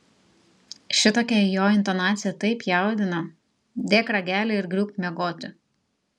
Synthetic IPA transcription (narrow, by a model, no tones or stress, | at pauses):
ʃʲɪt̪oːkʲɛjoːɪnt̪ɔnɑːt̪sʲɪjɛt̪ɐɪpjɛˑʊd̪ʲɪnɐ | d̪ʲeːkɾɐɡʲæːlʲeɪɾɡɾʲuːkmʲɛɡoːt̪ʲʊ